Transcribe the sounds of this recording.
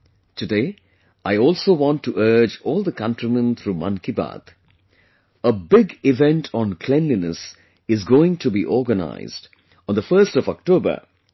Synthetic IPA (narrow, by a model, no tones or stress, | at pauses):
tʰɨdeː | ʔaɪɔːlˠsoːʋɔ̃ntʰːuʔɜ˞d͡ʒɔːlˠd̪əkʌ̃ntɹimə̃nt̪ʰɾumʌ̰̃nkiba̰t̪ | əbɪɡɪvɛ̃ntʰɔ̃nkʰl̥ɛ̃nlinəs | ɪzɡoːɪ̃ŋtʰubiʔɔːɡəna̰ɪzd | ɔ̃nd̪əfɜːstɔvɔk̚toːbə̰